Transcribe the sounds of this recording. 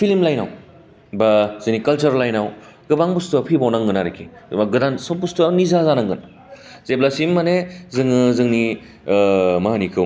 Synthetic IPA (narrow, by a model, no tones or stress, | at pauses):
pʰilmlajnaw | bazɯnikɐlt͡ʃɐɾlajnaw | ɡɯbaŋbustuapʰibawnaŋɡɯnaɾikʰimaɡɯdansopustuanizazanaŋɡɯn | zeblasimːanezɯŋɯzɯŋni | maɦanikʰɯ